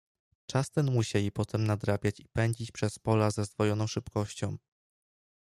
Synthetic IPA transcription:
t͡ʂast̪ɛnmuɕelʲipɔt̪ʰɛmnad̪ɾabʲjat͡ɕipɛɲd͡ʑit͡ɕpʂɛspɔlazazd̪vɔjɔnɔ̃w̃ʂɘpkɔɕt͡ɕɔ̃w̃

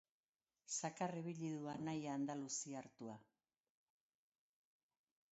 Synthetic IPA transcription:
sakareβiʎiðuanajaːnd̪alusiaɾt̪ua

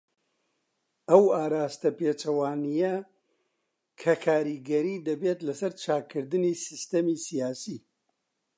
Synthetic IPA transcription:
ɐwaːɾaːst̪ɐpeːt͡ʃɐwaːnijɐ | kʰɐkʰaːɾiɡɐɾid̪ɐbeːt̪lɐsɐɾt͡ʃʰaːkːɨɾd̪ɨnisɨst̪ɐmisijaːsi

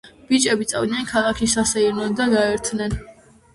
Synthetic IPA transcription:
b̥it͡ʃʼɛbit̪sʼa̰vd̪nɛnkʰalˠakʰisasɛiɾnɔd̪aɡaɛɾt̪ʰnɛn

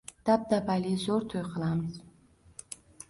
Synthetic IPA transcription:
d̪̥ap̚d̪apalizoɾt̪ʰojqʰɨlˠamɨz̥

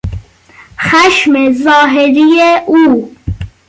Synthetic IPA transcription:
xæʃmezɒːɦeɾijeuː

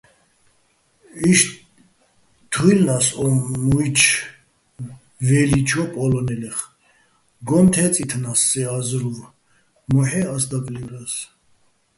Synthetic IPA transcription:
iʃ | t̪ʰujlnasɔmujt͡ʃʰ | vɛlit͡ʃʰɔpʼɔlɔnɛlɛχ | ɡɔnt̪ʰɛt͡sʼit̪ʰnasːɛazɾuv | mɔħɛasd̪akʼlivɾas

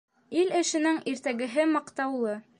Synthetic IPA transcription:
ilɘ̆ʃɘ̆nɘŋʔiɾt̪æɡɘ̆ɦɘmɑqt̪ɑwlˠɤ

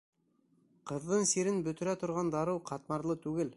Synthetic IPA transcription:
qɤ̆ðːɤnsiɾɘnbɵ̆t̪ɘ̆ɾæt̪ŏɾʁɑnd̪ɑɾɤwqʰɑt̪mɑɾlˠɤt̪ʉɡɘl

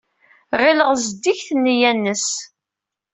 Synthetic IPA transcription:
ʁɪləʁzəd̪ːiçθənːjænːəs

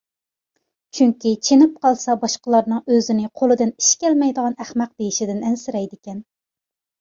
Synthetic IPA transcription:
t͡ʃʰyŋkʲit͡ʃʰenɪp̚qɑlˠsɑbɑʃqəlˠɑɾnɨŋøzɪnɪqʰolˠɨd̪ɨni̥ʃkʲɛlmɛjd̪əʁɑnæχmɛq̚d̪ejiʃid̪ɪnɛnsɪɾɛjd̪ɪkʲɛn

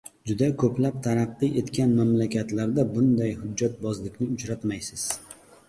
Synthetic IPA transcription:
d͡ʒʊd̪akʰɵplap̚t̪ʰaɾɑqːɨʔe̞t̪kʲʰanmamlakʲat̪laɾd̪abʊnd̪ajhʊd͡ʒːat̪̚bɒzlɪkʲnɪʊt͡ʃɾat̪majsɪz̥

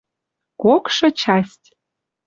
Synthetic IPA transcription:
kokʃɤ̆t͡ɕɑsʲtʲ

